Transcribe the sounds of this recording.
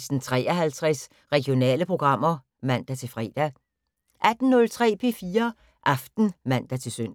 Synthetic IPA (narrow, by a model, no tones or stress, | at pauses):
sn̩t͡sʰʁɛ̰ːɐɦælt͡sʰʁɛs | ʁɛɡ̥ijo̝nɛ̰ːləpʰʁo̝ɡ̥ʁɑ̈m̰ɐ | mæn̰d̥æt͡sʰe̝lfʁɛ̰ːd̥æ | ʔæd̥n̩nɔ̽lt͡sʰʁɛ̰ːpʰe̝fiːɐ | ʔɑ̈fd̥n̩mæn̰d̥æt͡sʰe̝lsøn̰